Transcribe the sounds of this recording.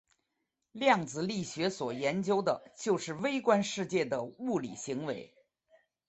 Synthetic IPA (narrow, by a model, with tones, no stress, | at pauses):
ljɑ˥˩ŋd͡zɹ̩˧li˥˩ɕɥɛ˧˥swɔ˨˩jɛ˧˥nt͡ɕjo˥ʊd̪ə˨t͡ɕjo˥˧ʊʂɻ̩˥˩we˥ɪkwa˥nʂɻ̩˥˧t͡ɕjɛ˥˩d̪ə˩u˥˩lḭ˨˩ɕi˧˥ŋwe˧˥ɪ